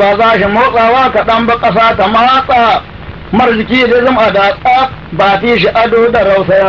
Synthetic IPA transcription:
aːzaːʃimoːsʼaːwaːkaɗɐmbakʼɐs̬aːtamahasʼaː | mɐrzɪkʲiːdeːzɪmʔadaːsʼaː | baːtiːʃiʔadoːdaɾawsɐjaː

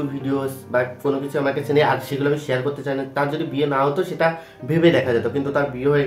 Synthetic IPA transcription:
uɾbʱiɖiosbakonokit͡ɕʰuamakat͡ɕʰenejaɾʃeɡuloamiʃeaɾkoɾt̪et͡ɕajnat̪aɾd͡ʑod̪ibienaɦot̪oʃeʈa | bʱebed̪ɛkʰad͡ʑat̪okint̪ut̪aɾbieɦoe

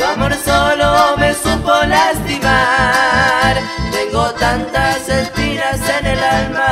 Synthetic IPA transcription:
amoɾsolomesupolast̪ima | ɾ | t̪eŋɡot̪ant̪asespiɾasenelalma

